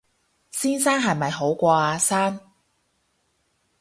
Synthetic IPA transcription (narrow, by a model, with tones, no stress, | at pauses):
siː˥nsaː˥nɦɐ˨˩jmɐ˨jɦo˨˥wkʷɔː˧aː˧saː˥n